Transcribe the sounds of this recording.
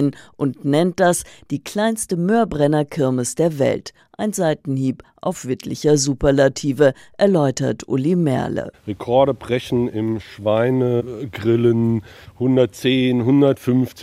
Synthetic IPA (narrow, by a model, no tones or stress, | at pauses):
nʔʊntnɛnt̚d̥asd̥iːkl̥aɪnstəmøːɐbʁɛnɐkʰɪɐmɪsd̥eːɐvɛ̰lt | ʔaɪnzaɪtn̩hiːpʔa̰ʊfv̥ɪtʰlɪçɐzuːpɐɐlatʰiːvəʔɛɐlɔʏtɐtʰʔʊ̰limɛ̰ɐlə̰ʁekʰɔɐɾəbʁɛçn̩ɪmʃv̥aɪnəɡʁɪlənhʊndɐt̚t͡seːnɦʊndɐtfʏnft͡s